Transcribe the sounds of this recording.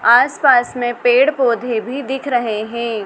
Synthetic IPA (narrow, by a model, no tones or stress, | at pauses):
aːspaːsmẽpeːɽpoːd̪ʱebʱid̪ɪkʰɾɐɦeɦɛ̃ː